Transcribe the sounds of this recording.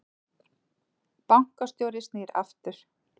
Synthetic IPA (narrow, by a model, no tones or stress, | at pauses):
pawŋ̥kast̪jowɾɪst̪nɛɾa̰ft̪ʏɾ̥